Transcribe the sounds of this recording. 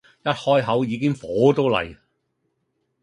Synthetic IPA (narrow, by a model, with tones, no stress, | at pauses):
jɐ˥t̚hɔː˥jɦɐ˨˥wjiː˨˧kɪ˥ŋfɔː˨˥t̪o˥wlɐ̰˨j